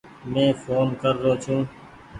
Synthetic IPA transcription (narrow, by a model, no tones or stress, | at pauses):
mẽːfʰoːnkəɾːoːt͡ʃʰũː